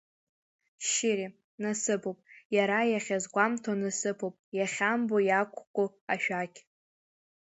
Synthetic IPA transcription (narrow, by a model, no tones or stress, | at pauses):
ʃɪɾi | nasɨpʰowpʼjaɾajaχʲazɡʷamtʰanɨsɨpʰowpʼjaχʲambojakʷʰʼkʷʼʊ | aʃᶣakʲʰʼ